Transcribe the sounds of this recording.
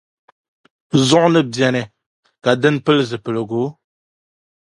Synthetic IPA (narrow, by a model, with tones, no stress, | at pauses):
zɔ˦ʔnɨ˦bɛ˨nɛ˨ | ka˨dɨ˦npə˦lzɨ˨pə˨lə˨ɡo˨˦